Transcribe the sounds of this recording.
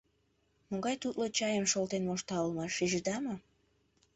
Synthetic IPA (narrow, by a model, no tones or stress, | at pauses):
moŋɡɑjt̪ut̪lot͡ɕɑjəmʃolt̪enmoʃt̪ɑolmɑʃːiʒəd̪ɑmo